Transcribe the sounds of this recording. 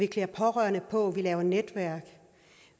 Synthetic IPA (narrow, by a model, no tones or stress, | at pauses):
ikʰleɐpʰɒ̽ʁɶɐnəpʰɒ̽ʋilɛːʊɐned̥ʋæɐ̰ɡ̥